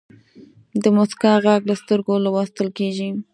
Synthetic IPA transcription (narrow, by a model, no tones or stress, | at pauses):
d̪əmʊskɑɣaɡlast̪əɾɡolawast̪əlkeʒi